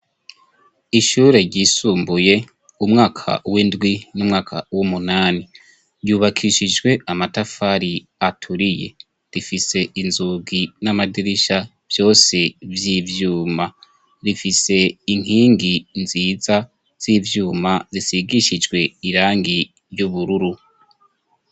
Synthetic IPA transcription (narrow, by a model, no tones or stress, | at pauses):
iʃuːɾe̞ɾɟiːsuːmbuje̞ | umŋaːkʰa̰windɡwinumŋaːkʰa̰wumunaːni | ɾɟuːβakʰiʃid͡ʒɡwe̞amatafaɾi | atʰuɾije̞̰ | ɾifise̞ʔinzuɡinamadiɾiʃa | v̥jo̞ːse̞vjivjuːma | ɾifise̞iŋ̥hiːŋɡinziːza | z̥ivjuːmazisiɡiʃid͡ʒɡwe̞iɾaːŋɡi | ɾjuβuɾuɾu